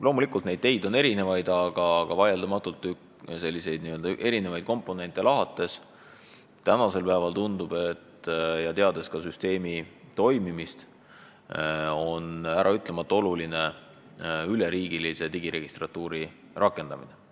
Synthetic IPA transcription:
lo̞ːmulikult̪ne̞jd̪̥̚ːe̞jd̪o̞ne̞ɾine̞vɑjd̪̥ɑɡ̥ɑɡ̥ɑvɑjeld̪ɑmɑt̪ːˑult̪ːˑy | se̞lːise̞jd̪̥niøld̪ɑʔe̞ɾine̞vɑjd̪̥̚ko̞mpːˑo̞ne̞nt̪ːˑe̞lɑɦɑt̪ːˑe̞s | t̪ænɑse̞lpæːvɑlt̪und̪̥ub̥e̞t̪ːjɑt̪e̞ɑd̪e̞skɑsyst̪e̞ːmit̪o̞jmimist̪ | o̞næɾʔɑyt̪ˑle̞mɑt̪ːˑo̞luline̞ | yle̞ɾiːɡ̥ilise̞t̪iɡ̥iɾe̞ɡ̥ist̪rɑt̪ːˑuːɾi | rʔɑkːˑe̞nd̪ɑmine

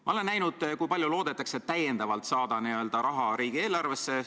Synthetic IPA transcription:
mɑo̞le̞nːæjnud̪̥kujpɑlʲjulo̞ːd̪̥e̞t̪ːˑɑkse̞t̪ːæjend̪̥ɑvɑlt̪sɑːd̪̥ɑniø̞ld̪ɑɾɑɦɑɾiːɡ̥ie̞ːlɑrve̞sːe̞

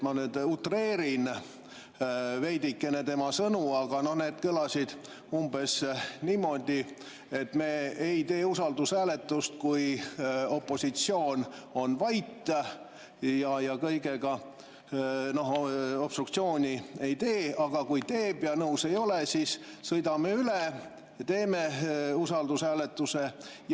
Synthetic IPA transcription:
mɑnyːd̪ut̪re̞ːɾin | ve̞jd̪̥ikːe̞net̪e̞mɑsɤnuɑɡ̥ɑno̞hne̞ːd̪̥kɯlɑsid̪̥ | umb̥e̞sniːmːo̞d̪ʲi | et̪ːme̞ːejt̪e̞ːusɑld̪usæːle̞t̪ːˑust̪̚kujo̞pːˑo̞sʲit̪sio̞ːno̞nvɑjt̪ːˑ | jɑjɑkɤjɡeɡ̥ɑ | no̞ho̞pst̪rukt̪sio̞ːnʲie̞jt̪e̞ːɑɡ̥ɑkujt̪e̞ːb̥jɑnɤuse̞jo̞lesiːssɤjd̪ɑmeyle | t̪e̞ːmeusɑld̪̥usæːlet̪ːˑuse

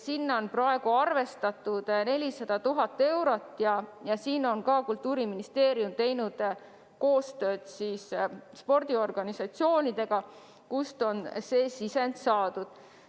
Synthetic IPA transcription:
sinːo̞nprɑe̞ɡ̥uɑrve̞st̪ɑt̪ːˑud̪̥ne̞lʲisɑd̪̥ɑt̪uɦɑt̪ːe̞wɾo̞t̪ːˑjɑjɑsiːno̞nkɑːkult̪ˑːuːɾiminist̪e̞ːɾjumt̪e̞jnud̪̥ | ko̞ːst̪ø̞ːd̪̥siːsspo̞rd̪̥io̞rɡ̥ɑnisɑt̪sio̞ːnid̪̥e̞ɡ̥ɑ | kust̪o̞nseːsise̞nd̪sɑːd̪̥ud̪̥

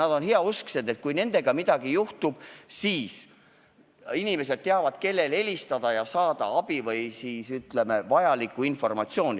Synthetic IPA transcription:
nɑd̪̥o̞nheɑuskse̞d̪̥e̞t̪̚kujne̞nd̪̥e̞ɡ̥ɑmid̪̥ɑɡijuht̪ub̥siːs | inime̞se̞d̪̚t̪e̞ɑvɑd̪̥̚ke̞lːe̞le̞lʲist̪ɑd̪ɑjɑsɑːd̪̥ɑ̰ɑb̥ivɤjsiːsyt̪le̞me̞vɑjɑlikːˑuinfo̞rmɑt̪sjo̞ːnʲi

